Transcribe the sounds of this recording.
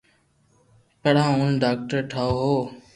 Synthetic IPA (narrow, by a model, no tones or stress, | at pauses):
kəɽãːʊnɖaːk̚ʈəɾʈʰaːoːɦoː